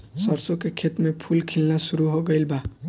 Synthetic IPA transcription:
sʌɾsokekʰet̪mepʰulkʰilnasuɾuɦoɡəɪlba

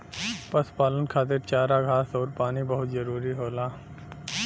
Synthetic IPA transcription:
pɐspaːlənkʰaːt̪ɪɾt͡ʃaːɾaɡʱaːsɔːɾpaːnibɐɦʊt̪zɐɾuːɾiɦoːlaː

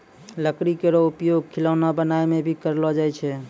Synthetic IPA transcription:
ləkɾikeɾoupjoɡ̚kʰilaʊnabənaemebʱikəɾlɔd͡ʒajt͡ʃʰɛ

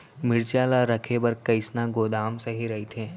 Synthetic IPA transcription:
mɪɾt͡ʃjaːlaɾɐkʰebɐɾkɐɪsnaɡoːd̪aːmsɐɦiɾɐɦit̪ʰẽː

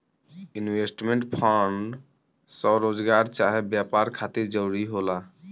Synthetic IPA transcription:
inwesʈmeɳʈpʰaɳɖ | sɔɾoːd͡ʒɡaɾt͡ʃaɦebjapaɾkʰat̪iɾd͡ʒəɾuɾiɦola

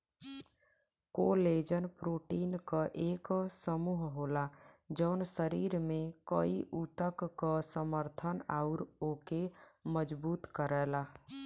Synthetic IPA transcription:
koleːd͡ʒənpɾoːʈiːnkaʔeːksəmuːɦɦoːlad͡ʒəʊnsəɾiːɾmẽkəiʔut̪əkkasəməɾt̪ʰənaʊɾoːkeməd͡ʒbuːt̪kəɾɛːla

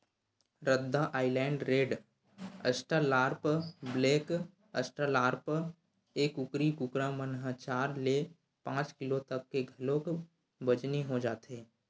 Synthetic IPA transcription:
ɾəd̪ʱːaʔaːɪlɛ̃ːɳɖɾeːɖ | əsʈəlaːɾpbleːk | əsʈəlaːɾp | eːkʊkɾikukɾamənɦat͡ʃaːɾle | pãːt͡ʃkɪlot̪əkːeɡʱɐlõk | bəd͡ʒniɦod͡ʒaːt̪eː

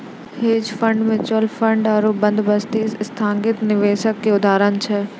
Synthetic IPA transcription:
heːd͡ʑfɐ̃ɳɖmẽt͡ɕolfɐ̃ɳɖaːɾoːbɐ̃nd̪bɐst̪eːsst̪ʰãːŋɡɪt̪nɪʋeːʃəkkeʊd̪ʱaːɾənt͡ɕʰɛ

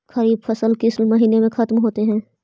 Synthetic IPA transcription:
xɐɾiːb̚fʰɐsəlkɪslmɐɦiːnemẽxɐt̪mɦoːt̪eɦɛ̃ː

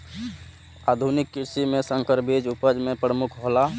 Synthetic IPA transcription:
aːd̪ʱunɪkːɪɾsimẽsə̃ŋkəɾbed͡ʒupəd͡ʒmẽpɾəmʊkʰɦola

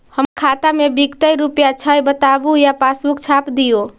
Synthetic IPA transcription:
həmkʰat̪amebiɡt̪əjɾupjat͡ʃʰəjbət̪abujapasbukt͡ʃʰapd̪ijo

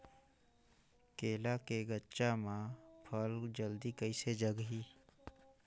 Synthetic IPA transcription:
keːlakeɡətːt͡ʃamãpʰəld͡ʒəld̪ikəised͡ʒəɡɦiː

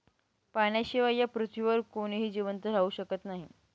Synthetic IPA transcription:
paɳjaɕiʋajapɾut̪ʰʋiʋəɾkoñiɦiːd͡ʑiʋənt̪əɾ̤auːɕəkət̪naɦi

